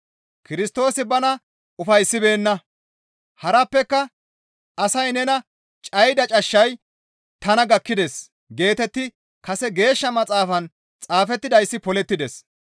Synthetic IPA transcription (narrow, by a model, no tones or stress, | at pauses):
kɪɾɪst̪o̞ːsɪbɐnɐ | ʊfɐjsːɪbe̞ːnːɐ | hɐɾɐpːɛkːɐ | ɐsɐjnɛnɐ | t͡ʃʼɐjd̪ɐt͡ʃʼɐʃːɐj | t̪ɐnɐɡɐkːɪd̪es | ɡe̞ːt̪ɛt̪ːɪ | kɐsɛɡe̞ːʃːɐmɐt͡sʼaːfɐn | t͡sʼaːfɛt̪ːɪd̪ɐjsːɪpɔlɛt̪ːɪd̪ɛs